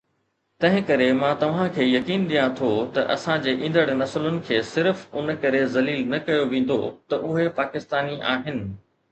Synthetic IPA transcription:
t̪ɐ̃ɦɪ̃kɐɾemãːt̪ɐʋ̤ãkʰeːjɐkiːnɗijãt̪ʰot̪ɐʔɐ̰sãd͡ʑeːʔĩːn̆d̪əɽnɐslʊnɪ̆kʰeːsɪɾfʊnkɐɾezɐliːlnɐkɐjoʋẽːn̆d̪ot̪ɐʔʊɦepaːkɪst̪aːniʔaːɦɪnɪ̆

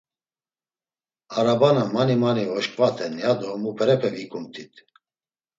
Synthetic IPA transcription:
aɾabanamanimanivɔʃkʼvat̪ʰɛnjad̪ɔmupʰɛɾɛpʰɛvikʰʼumt̪ʰit̪ʰ

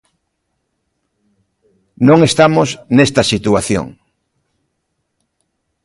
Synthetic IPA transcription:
nõŋest̪amosnest̪asit̪uaθjo̰ŋ

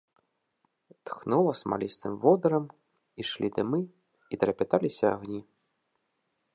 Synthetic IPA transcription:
t̪xnulˠɐsma̰lʲist̪ɨmvɔd̪ɐɾɐm | iʂlʲid̪ɨmɨ | it̪ɾɐpʲat̪alʲisʲɐaɣnʲi

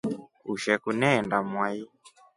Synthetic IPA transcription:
uʃɛkunɛːndamwai

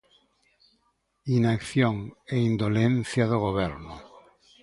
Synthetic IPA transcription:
inakθjoŋeind̪olẽnθjaðoɣ̞oβeɾno

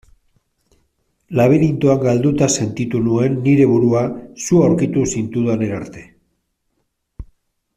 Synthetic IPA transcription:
laβ̞eɾint̪oaŋɡald̪ut̪ase̞nt̪it̪unue̞nːiɾe̞βuɾuasuawɾkit̪usint̪uðane̞ɾaɾt̪e̞

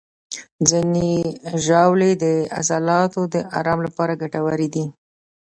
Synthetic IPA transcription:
zineʒawled̪əa̰sɑlɑt̪od̪əʔɑ̰ɾɑmlapɑɾaɡaʈawaɾid̪i

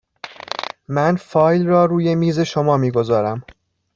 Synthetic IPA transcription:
mænfɒːjlrɒːɾuːje̞miːze̞ʃomɒːmiːɡo̞zɒːɾæm

